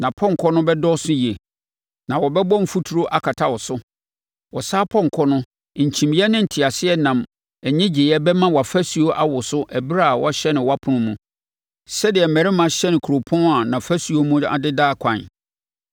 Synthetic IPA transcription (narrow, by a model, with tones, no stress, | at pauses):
nã˨pʰɔ̃˦ŋ̩˨kʰɔ˦nʊ̃˦bɛ˦dɔ˦sʊ˦ji˨e˨ | nã˨wɔ˨bɛ˦bɔ̃˦m̩˦fu˦tʰu˨ɾo˦ʔa˦kʰa˨tʰa˦wɔ˨sʊ˦ | wɔ˨saː˦pʰɔ̃˦ŋ̩˨kʰɔ˦nʊ̃˦˨ | ɲ̩˨t͡ɕʰĩ˨mi˦ɛ˦nɪ̃˦n̩˨tʰɪ˨a˨sɪ˦ɛ˦nã˨m | ɛ˨ɲɪ̃˦d͡ʑɪ˨jɛ˦bɛ˦mã˦wɔ˨a˨fæ˦si˨o˦ʔa˦wʊ˨sʊ˦ʔɛ˨bɪ˦ɾa˦˨wɔ̰˦ɕɛ˦nɪ̃˨wa˦pʰʊ̃˦nʊ̃˦mũ˦ | sɛ˦dɪ˨ɛ˨mɛ̃˨ɾɪ˦mã˨ɕɛ˦nɪ̃˨kʰu˨ɾo˨pʰɔ̃˦a˨nã˨fæ˦si˨o˦mũ˦a̰˨dɪ˦daː˦kʷʰã˨n